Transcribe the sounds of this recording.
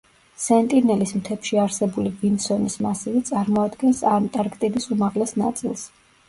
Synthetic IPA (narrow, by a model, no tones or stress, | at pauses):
sɛnt̪ʼinɛlismt̪ʰɛpʃiaɾsɛbulivinsɔnismasivit̪sʼaɾmɔad̪ɡɛnsamt̪ʼaɾkʼt̪ʼid̪isumaʁlɛsna̰t̪sʼilˠs